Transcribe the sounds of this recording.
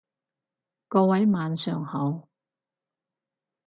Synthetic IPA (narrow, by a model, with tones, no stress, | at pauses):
kɔː˧wɐ˨˥jmaː˨˧nsœː˨ŋhɐ˨˥w